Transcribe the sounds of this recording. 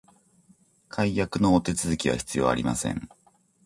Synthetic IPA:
kʰaijakɯ̟no̞ːt̪e̞t͡sɨzɨkʲiβa̰çi̥t͡sɨjo̞̰ːa̰ɾʲima̰sẽ̞̰ɴ

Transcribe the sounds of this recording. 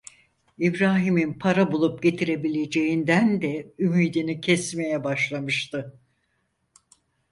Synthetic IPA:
ibɾaːɦiminpʰaɾabulˠup̚ɟe̞t̪ʰiɾe̞bilʲe̞d͡ʒe̞jind̪ænd̪ɛymiːd̪inicʰɛsme̞jɛbaʃlˠamɯʃt̪ɯ

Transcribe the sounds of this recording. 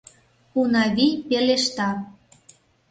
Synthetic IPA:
unɑβipeleʃt̪ɑ

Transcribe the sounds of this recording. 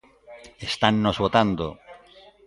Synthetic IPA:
est̪anːozβot̪and̪o̰

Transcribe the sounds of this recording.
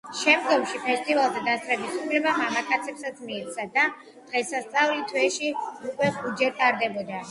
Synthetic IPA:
ʃɛmd̪ɡɔmʃipʰɛst̪ʼivalˠzɛd̪ast̪ʼɾɛbisupʰlɛbamamakʰʼat̪sʰɛpsat̪smiːt̪t̪sʰad̪a | d̪̥ʁɛsast̪sʼavlit̪ʰwɛʃiukʼwɛχud͡ʒɛɾt̪ʼaɾd̪ɛbɔd̪a

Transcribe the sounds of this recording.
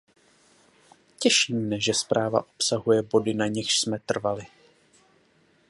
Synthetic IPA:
cɛʃiːmnɛʒɛspɾʔaːva̰ʔo̞psaɦujɛbo̞dɪnaɲɪxʃsmɛt̪r̩valɪ

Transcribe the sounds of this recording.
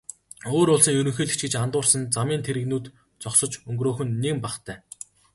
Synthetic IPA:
oːɾʊɮsĭːŋjɵɾɵ̆ŋxeːɮɘ̆kt͡ɕɡĕt͡ɕant̪ʊːrsə̆nt͡samiːnt̪ʰeɾɘ̆ɣnuːt̪ | t͡sɔksɞ̆t͡ɕɵŋɡroːxɵ̆nːeɣmpaχt̪ʰæː

